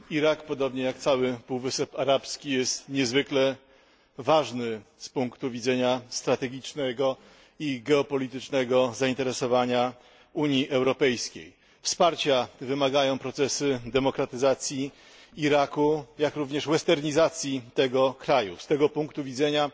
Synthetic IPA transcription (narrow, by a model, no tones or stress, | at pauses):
iɾakpɔd̪ɔbɲɛjakt̪sawɘpuwvɘsɛpaɾapskʲijɛst̪ɲɛzvɘklɛ | vaʐnɘspuŋkt̪uvʲid̪zɛɲast̪ɾat̪ɛɡʲit͡ʂnɛɡɔ | iɡɛɔpɔlʲit̪ɘt͡ʂnɛɡɔzaint̪ɛɾɛsɔvaɲa | uɲiʔɛwɾɔpɛjskʲḛj | fspaɾt͡ɕavɘmaɡajɔ̃w̃pɾɔt̪sɛsɘd̪ɛmɔkɾat̪ɘzat̪sʲji | iɾakujakɾuvɲɛʂwɛst̪ɛɾɲizat̪sʲjit̪ɛɡɔkɾajṵst̪ɛɡɔpuŋkt̪uvʲid̪zɛɲa